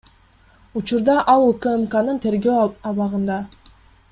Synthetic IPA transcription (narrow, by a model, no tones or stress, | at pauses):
ut͡ʃuɾd̪ɑʔɑlˠukømkanɯnt̪ʰe̞ɾɡøɑβɑʁɯnd̪ɑ